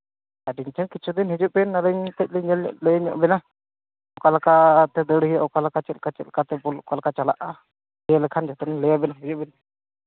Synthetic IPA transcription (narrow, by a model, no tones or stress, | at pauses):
aɖiɲt̪ʰɛnkit͡ʃʰud̪inɦid͡ʒuʔbɛnaɾəɲt̪ɛc̚ˀlɛɲɛlɲɔ̰ʔlɛjaɲɔ̰ʔbɛna | ɔkalakat̪ɛd̪əɽijaʔɔkalakat͡ʃɛl̚kat͡ʃɛt̪̚kat̪ɛbɔlkalakat͡ʃalaʔa | lɛjalɛkʰand͡ʒat̪ɛnlɛjabɛnaɦid͡ʒuʔ̚bɛn